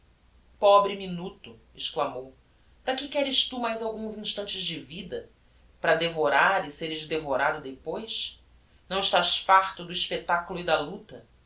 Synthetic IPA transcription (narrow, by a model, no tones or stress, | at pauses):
pɔbɾɪminut̪ʊ | ɪʃklamow | pɾɐkɪkɛɾɪʃt̪umajzawɡũzĩʃt̪ɐ̃nt͡ʃɪzd͡ʒɪvid̪ɐ | pɾɐd̪evoɾaɾɪseɾɪʒd̪evoɾad̪ʊd̪epojʃ | nɐ̃w̃ɪʃt̪aʃfaχt̪ʊd̪ʊiʃpet̪akulʊid̪ɐlut̪ɐ